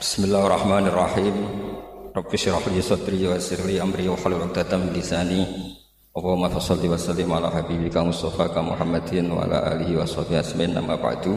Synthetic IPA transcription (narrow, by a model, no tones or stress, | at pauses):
bɪ̥smɪlːaarˤːɑħmanɪrˤːɑħiːm | ɾɔbfiʃɾaħlisɔt̪ɾid͡ʒwasiɾliamɾiwaħalulɔk̚t̪at̪amilisani | ʔɔwmafɑsɑlːiwasalːɪmʕalaħabibikamʊst̪ɑfakamuħamːad̪ɪnwa̰ʕa̰la̰ʔa̰liɦiwasɑhbihasmaɪnʔa̰mːa̰ba̰ʕd̪u